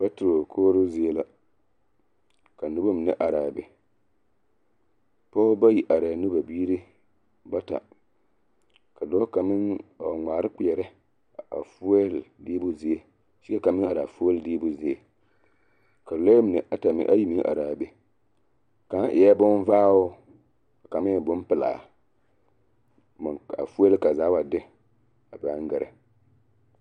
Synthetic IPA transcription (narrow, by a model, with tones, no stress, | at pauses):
ba˦tɪ˨ɾo˨kʰoː˦ɾʊ˦zɪ˦e˦la˦ | ka˨nʊ˦bo˦m˨nɨ˦ʔa˨ɾaː˨bɪ˦ | pa˦ba˦ji˨ʔa˨ɾa˨nʊ˦ba˨biː˦ɾɨ˦ | ba˦ta̰˨ | ka˨dɔ˦ka˨mɪ˦ŋa˨ŋ͡maː˨ɾɨ˦k͡pi˨ɛ˨ɾɪ˦˨ | a̰˨fʊ˦ɛ˦ldi˦bʊ˦zɪ˦e˦ | ʃi˦ka˦ka˨mɪ˦ŋa˨ɾa˨fu˦e˦ldi˦bʊ˦zɪ˦e˨ | ka˨lo˦m˨nɨ˨ʔa˨ta˨m̰˦ʔa̰˦ji˦mi˦ʔa̰˨ɾaː˨be˦ | ka˨˦ʔɪ˨ja˦bʊ˦n˦vaː˦ʊ˦ | a˨ka˨mɪ˦˨bʊ˦n˦pɪ˦˨la̰ː˨ | m˨a̰˨fu˦e˦lka˨zaː˨˦wa˨dɪ˦ | a˨ba˨˦ŋ˦ɡɛ˨ɾɨ̰˨